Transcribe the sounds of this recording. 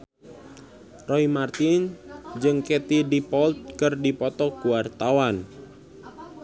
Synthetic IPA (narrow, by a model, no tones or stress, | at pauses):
rɔimart̪ind͡ʒɨŋket̪idipɔlt̪̚kərdipɔt̪ɔkuwart̪awan